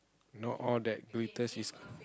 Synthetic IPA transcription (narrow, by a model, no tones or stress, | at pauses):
nɔʔɔldɛt̚ɡɹitəsis